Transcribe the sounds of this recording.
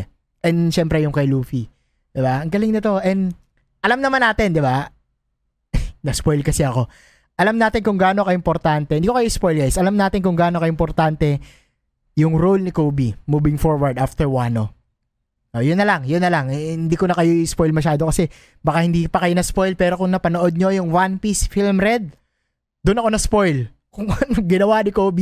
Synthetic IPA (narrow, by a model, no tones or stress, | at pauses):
ʔɛnd̪ʃɛmpɾɛjʊŋkɐjluːfi | d̪̥ɪbaɐŋɡɐlɪŋnɐt̪o̞ʔɛnd̪ | ʔɐlamnɐmanaːt̪ɪnd̪ɪba | nɐspo̞jlkɐsɛɐko̞ | ʔɐlamnaːt̪ɪnkʊŋɡaːno̞kɐʔɪmpoɾt̪ant̪ɛɪnd̪iko̞kɐjoɪspo̞jlɡajsʔɐlamnaːt̪ɪnkʊŋɡaːnokɐʔoɪmpoɾt̪ant̪ɛ | jʊŋɾolnɪkoːbimuːbɪŋfoɹwɐɹd̪aft̪ɛɹwano̞ | ʔojʊnːɐlɐŋjʊnːɐlaŋhɪnd̪iːkonɐkɐjospojlmɐʃaːd̪okɐsɛ | bɐkahɪnd̪iːpɐkɐjonɐspo̞jlpɛːɾo̞kʊŋnɐpɐnoʔo̞d̪̚ɲo̞jʊŋwanpisfilmɾɛd̪̚ | d̪ʊnɐko̞nɐspo̞jl | kʊŋɐnoŋɡɪnɐwanɪkoːbi